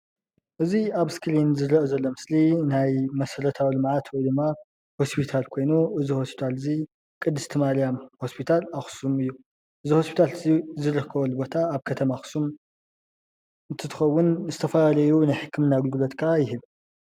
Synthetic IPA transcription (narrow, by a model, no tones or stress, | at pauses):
ʔɨziaβskʰɨɾinzɨɾɐʔɨzɐlːo̞mɨslinajmɐsɐɾɐt̪ʰawilɨmʕat̪ʰwɔjd̪ɨmːa | ho̞spʰit̪ʰalkʰo̞jnuʔɨziho̞spʰi̥t̪ʰalɨzi | kʼɨd̪ːɨst̪ʰɨmalijamho̞spʰit̪ʰalaxsumɨjːu | ʔɨziho̞spʰi̥t̪ʰalzizɨɾɨkʰːɐβɐlɨbo̞t̪ʰaːβkʰɐt̪ʰɐmaxsum | ɨnt̪ʰɨt̪ʰɨ̥xɐwːʊnzɨt̪ʰɐfɐlalɐjunajħɨkʰːɨmɨnaɡɨlɡɨlot̪kʰaajɪɦɨβ